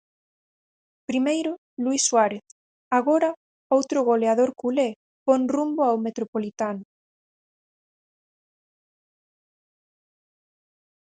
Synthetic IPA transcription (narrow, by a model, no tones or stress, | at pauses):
pɾimejɾʊ | luisːwaɾeθ | aɣoɾɐ | owt̪ɾʊɣoleaðoɾkule | ponrumbʊawmet̪ɾopolit̪anʊ